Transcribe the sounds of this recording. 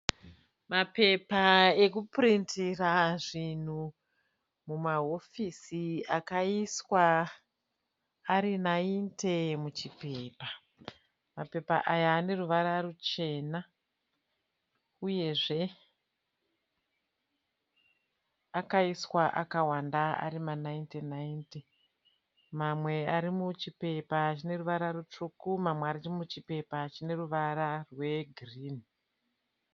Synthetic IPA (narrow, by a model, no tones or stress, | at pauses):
mape̞pae̞kuprintiraʐin̤u | mumaɦo̞fisiakaiswa | ɾinaintʰe̞mut͡ʃipe̞ːpa | mape̞paʔajaːne̞ruʋaɾarut͡ʃe̞ːna | uje̞ʐe̞ | akaiswaʔakawandaa̰rimanaintinainti | mamwe̞aɾimut͡ʃipe̞pat͡ʃine̞ruʋaɾarut͡ʂukumamweaɾirimut͡ʃipe̞pat͡ʃine̞ruʋaɾarwe̞ɡʱriːni